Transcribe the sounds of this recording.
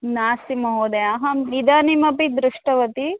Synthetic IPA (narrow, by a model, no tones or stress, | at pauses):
naːsimɐɦoːd̪eaɦɐmnid̪aːnimɐpid̪ɾuʂʈɐʋɐt̪i